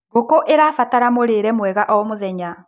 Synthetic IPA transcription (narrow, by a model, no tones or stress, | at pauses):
ɡokoʔeɾafataɾamoɾeːɾɛmwɛɣaʔɔmoðɛɲa